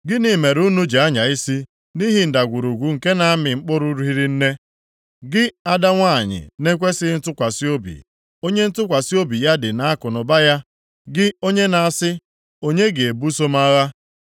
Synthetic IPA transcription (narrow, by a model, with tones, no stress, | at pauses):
ɡɪ˦ni˨˦˨me˨ɾu˦nu˦d͡ʒe˨a˦ɲa˨i˦si˦ | ni˦ɦi˨n̩˨da˨ɡʷu˨ɾu˨ɡʷu˨ŋ̩˨ke˦na˨a˦mɪ˨ŋ͡m̩˦k͡pʊ˦ɾʊ˦ɾu˦ɦi˦ɾi˦n̩˦ne˦ | ɡɪ˦a˦da˦ŋʷa˦˨ɲɪ̰˨ne˦kʷe˦sɪ˦n̩˦tʊ˦kʷa˨si˦o˦bḭ˨ | o˦ɲe˦n̩˦tʊ˦kʷa˨si˦o˦bi˨ja˦dɪ˨na˨a˦kʊ˨nʊ˨ba˦ja˦ | ɡɪ˦o˦ɲe˦na˨a˨sɪ˦ | o˦ɲe˦ɡe˨e˨bu˦so˦ma˦ɣa˦